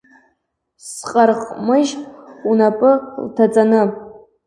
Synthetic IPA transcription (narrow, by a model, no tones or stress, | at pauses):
sqʼarqʼmɨʒunapʼɨltʰat͡sʼanɨ